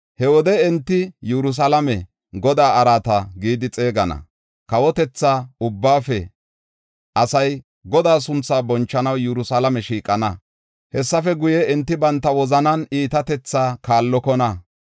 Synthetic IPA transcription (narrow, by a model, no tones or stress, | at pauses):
hɛwɔd̪ɛɛnt̪ːɪjɛɾʊs̬alɐmɛ | ɡɔd̪aːɐɾaːt̪ɐɡiːd̪ɪt͡sʼe̞ːɡɐnɐ̰ | kɐwɔt̪ɛt͡sːaːʊbːaːfɛ | ʔɐsɐj | ɡɔd̪aːs̬ʊnt͡saːbɔnt͡ʃːɐnɐwjɛɾʊsalɐmɛʃiːkʼːɐnɐ | hɛsːɐfɛɡʊjɛɛnt̪ːɪbɐnt̪ːɐwɔzɐnɐniːt̪ɐt̪ɛt͡sːaːkaːlːɔkɔnɐ